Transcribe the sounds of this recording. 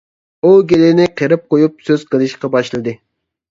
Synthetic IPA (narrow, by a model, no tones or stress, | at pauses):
uɡʲelɪnɪqʰeɾɪp̚qojupsøz̥qəlˠɨʃqɑbɑʃlˠɨd̪ɨ